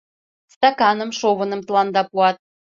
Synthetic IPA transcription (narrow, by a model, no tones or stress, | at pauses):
st̪ɑkɑnə̆mʃovə̆nə̆mt̪lˠɑnd̪ɑpuɑt̪̚